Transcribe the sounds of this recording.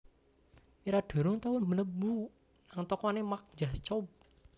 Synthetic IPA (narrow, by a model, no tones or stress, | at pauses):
iɾaɖ̥ɔ̤ɾʊŋt̪awʊmələbu | naŋt̪ɔkɔnemak̚d͡ʒat͡ʃɔp̚